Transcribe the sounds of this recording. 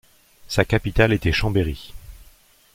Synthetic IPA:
sakapit̪alet̪ɛʃɑ̃beʁi

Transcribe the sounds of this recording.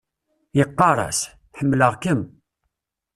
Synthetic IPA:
jəqːɑɾˤɑ̰s | ħəmːləʁkəm

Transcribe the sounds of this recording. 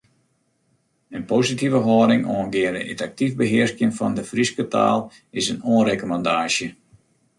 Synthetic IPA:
ənpositivəɦɔːdɪŋoənɡɪənəə̰tak̚tifbəɦɪərskjənfɔ̰ndəfriskətʰa̰ːlˠ | ɪsənoənrekomɑndaːʃjə

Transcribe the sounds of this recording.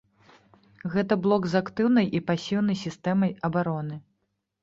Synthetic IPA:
ɣɛt̪ɐblˠɔkzakt̪ɨwn̪ɐjʔipasʲiwnɐjsʲist̪ɛmɐjɐbaɾɔnɨ

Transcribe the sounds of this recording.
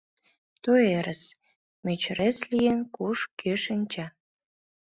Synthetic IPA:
t̪ueɾəs | met͡ɕɾeslijenkuʃkøʃə̆nʲt͡ɕɑ

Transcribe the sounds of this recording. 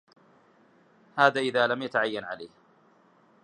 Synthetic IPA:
haːðaːʔɪðaːlamjat̪aʕajːanʕala̰ːh

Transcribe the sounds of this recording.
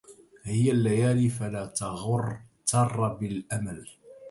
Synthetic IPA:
hɪjalːajaːlifalaːt̪ɑɣʊrˤt̪ɑrˤːɑbɪlʔamal

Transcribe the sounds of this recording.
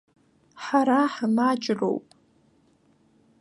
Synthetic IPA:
ħaɾaħmat͡ʃʼro̞̰wpʼ

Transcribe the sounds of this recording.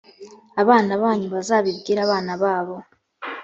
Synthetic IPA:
aβaːnaβaːɲuβazaːβibɡiːɾaːβaːnaβaːβo̞

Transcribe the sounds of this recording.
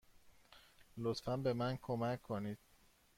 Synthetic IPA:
lot̪fænbe̞mænkʰomæcʰːoniːd̪̥

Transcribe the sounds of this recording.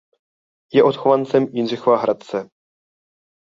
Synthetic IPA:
jɛʔot̪xovant͡sɛmjɪnzɪxovaɦɾat̪̚t͡sɛ

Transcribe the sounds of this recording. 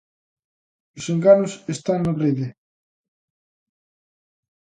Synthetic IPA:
ʊseŋɡanʊsest̪aŋnoreðe

